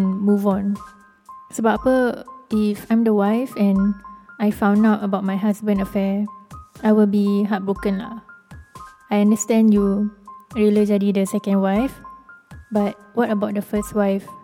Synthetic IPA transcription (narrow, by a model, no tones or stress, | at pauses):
nmuvɔ̃n | sobapəifãjmdəwajfɛ̃najfãw̃nawtəbaʊt̚majɦasbə̃ndafɛ | ajwilbiɦat̚bɹokə̃nla̰ | ajãndəstɛ̃nju | ɹilid͡ʒadidəsɛkə̃ndwajf | bat̚wɔtəbaʊt̚dəfəstwajf